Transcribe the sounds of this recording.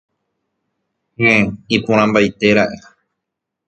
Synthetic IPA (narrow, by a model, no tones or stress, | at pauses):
ẽipũɾ̃ãmbajt̪e̞ɾaʔe